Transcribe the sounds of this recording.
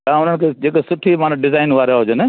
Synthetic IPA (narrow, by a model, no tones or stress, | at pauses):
t̪ãːʊn̤əɽ̃ɪ̆kʰeːd͡ʑeːksʊʈʰimaːnɖɪzaːɪnʋaːɾjaɦʊd͡ʒəne